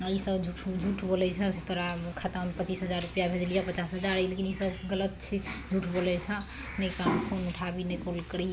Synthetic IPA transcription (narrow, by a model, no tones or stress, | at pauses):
isəbd͡ʒʱuʈʰd͡ʒʱuʈʰbolɛt͡ʃʰɛset̪oɾakʰat̪ampət͡ʃisɦəd͡ʒaɾːupjabʱed͡ʒlijapət͡ʃasɦəd͡ʒaɾəjlekinisəbɡələt̪t͡ʃʰid͡ʒʱuʈʰbolɛt͡ʃʰɛ | nɛkampʰonuʈʰabinekolkəɾi